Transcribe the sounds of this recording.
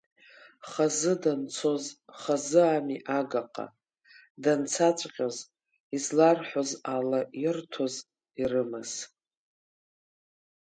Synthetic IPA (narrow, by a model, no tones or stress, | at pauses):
χazɨdant͡sʰo̞zχazɨamiʔaɡaqʼa̰ | dant͡sʰat͡ʃʷʼqʲʼaz | izlarħʷozalairtʰoz | irɨmaz̥